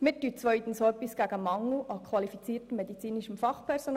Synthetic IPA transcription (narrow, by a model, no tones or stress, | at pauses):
mɪtːyːt͡sʋœʏt̪ən̩soœpːisɡ̥æɡəmɑŋlʔɑkʰwɑlifit͡siːtəmːedit͡siːniʃəmfɑχpʰɛɾson